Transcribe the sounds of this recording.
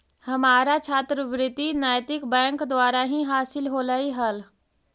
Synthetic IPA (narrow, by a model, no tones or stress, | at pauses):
hɐmaːɾat͡ʃʰaːt̪ɾəbɾɪt̪inaːjt̪ɪkbɛ̃ːŋkd̪waːɾaɦĩɦaːsɪlɦoːlaiɦɐl